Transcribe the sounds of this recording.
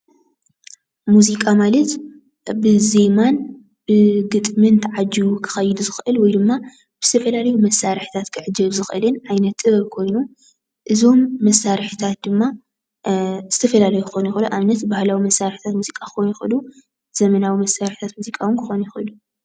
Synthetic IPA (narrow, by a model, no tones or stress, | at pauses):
muzikʼamalɐt̪ | bɨze̞man | b̥ɨɡɨt̪ʼmɨnt̪ʰʕad͡ʒiwukʰɨ̥xɐjɪd̪uzɨxʔɨlwɔjd̪ɨmːa | bɨz̥ɨt̪ʰɐfɐlalɐjumɐsːaɾħi̥t̪ʰat̪kʰɨʕɨd͡ʒɐβzɨxʔɨlɨnʕajnɐt̪ʼɨβɐɾkʰo̞jnu | ʔɨzo̞mːɐsaɾħit̪ʰat̪̚d̪ɨmːa | z̥ɨt̪ʰɐfɐlalɐjukʰɨxonjɪxɨluʔaβnɐt̪bahlawimɐsaɾħi̥t̪ʰat̪muzikʼakʰɨxonujɪxʔɨlu | z̥ɐmɐnawimɐsaɾħi̥t̪ʰat̪muzikʼawɨnkʰɨxonujɪxɨlu